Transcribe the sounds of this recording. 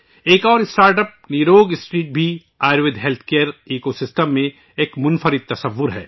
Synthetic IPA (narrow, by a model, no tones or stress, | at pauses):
eːkɔːɾɪsʈaːɾʈəp̚niɾoːɡɪsʈɾiːʈ̚bʱi | aːɪɾʋɪd̪ɦeːlt̪ʰkejəɾiːkosɪsʈəmːẽ | eːkmʊnfʰəɾɪd̪̚t̪ːɐsəʋːʊɾɦɛ̰ː